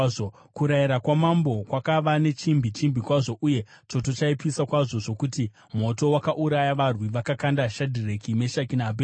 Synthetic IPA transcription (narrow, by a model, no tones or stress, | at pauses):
o | kuɾajiɾakwamambo̞kwakaʋane̞t͡ʃimbʱit͡ʃimbʱikwaʐo̞ʔuje̞t͡ʃo̞to̞t͡ʃaipisakwaʐo̞ʐo̞kuti | mo̞to̞wakaʔuɾajaʋarwiʋakakandaʃadʱirekime̞ʃakinaabʱe